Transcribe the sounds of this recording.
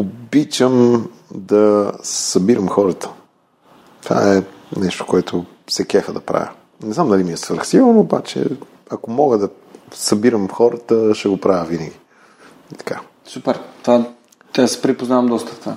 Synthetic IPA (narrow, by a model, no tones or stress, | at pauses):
obit͡ʃəm | d̪ɐsɐbiɾəmxɔɾət̪ə̥ | t̪o̥va̰ɛ | nɛʃt̪o̥koɛt̪ʰo | sɛkɛxəd̪ɐpɾa̰vʲə̰ | nɛznamd̪ɐlimiɛsvəɾxsilˠnoːba̰t͡ʃɛ̰ | ɐkomɔɡəd̪ɐ | sɐbiɾəmxɔɾət̪əʃɛɡopɾavʲjəvinəɡʲi | it̪ɐ̥kʰa̰ | supɛɾt̪va | t̪asɛ̥pɾipoznavəmd̪ɔst̪ət̪va